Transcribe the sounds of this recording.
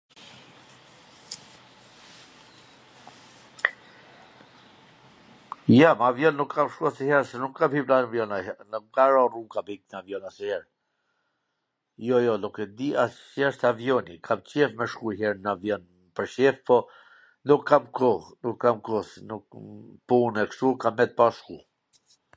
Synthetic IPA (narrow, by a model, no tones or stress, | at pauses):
jamavjɔnːukʰːamʃkuasihɛɾsɛnukːamhiplavjɔnanmkaɾɔrukabhik̚navjɔnasihɛɾ | jɔjɔlukɛd̪ias | jɛʃt̪avjɔnikʰamt͡ʃɛfmɛʃkuɦɛɾnavjɔn | pəɾʃɛfpɔ | nukʰːamkɔnukːamkɔsnukpunɛkʃt̪ukamːɛt̪̚paʃku